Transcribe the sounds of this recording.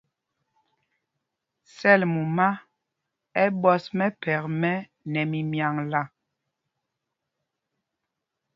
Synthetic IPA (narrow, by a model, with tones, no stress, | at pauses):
sɛ˦˨lmu˨ma˦ | ɛ˦bɔ˦smɛ˦pɛ˨kmɛ˦ | nɛ˨mi˨mja˨ŋla˦˨